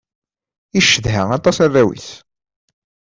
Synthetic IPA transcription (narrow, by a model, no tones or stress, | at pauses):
iʃəðɦæɑt̪ˤːɑsæðæwḭθ